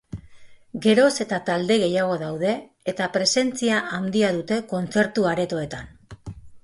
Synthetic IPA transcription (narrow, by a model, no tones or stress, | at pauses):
ɡe̞ɾo̞se̞t̪at̪ald̪e̞ɣe̞jaɣ̞o̞ðawðe̞ː | t̪apɾe̞se̞nt͡siaʔand̪iaðut̪e̞ko̞nt͡se̞ɾt̪uaɾe̞t̪o̞e̞t̪an